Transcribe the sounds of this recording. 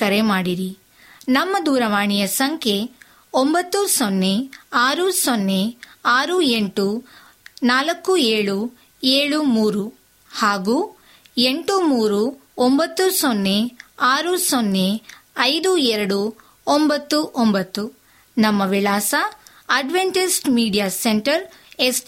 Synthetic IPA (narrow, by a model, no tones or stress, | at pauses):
kɐɾemaːɽiɾi | nɐmːɐd̪uːɾɐʋaːɳijɐsɐŋkʰe̞ | ombɐt̪ːusonːe̞aːɾusonːeaːɾueɳʈu | naːlɐkːueːɭu | eːɭumuːɾu | haːɡuː | eɳʈumuːɾuombɐt̪ːusonːeaːɾusonːeɐjd̪uɛɾɐɽu | ombɐt̪ːuʔombɐt̪ːu | nɐmːɐʋilaːsɐ | ɐɖʋeɳʈisʈmiːɖijaseɳʈɐɾ | es